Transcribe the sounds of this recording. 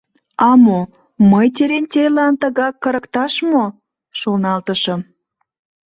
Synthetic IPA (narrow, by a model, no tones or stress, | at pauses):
ɑmo | məjt̪ʲeɾent̪ʲelɑnt̪əɣɑkːəɾəkt̪ɑʃmo | ʃolnɑlt̪əʃəm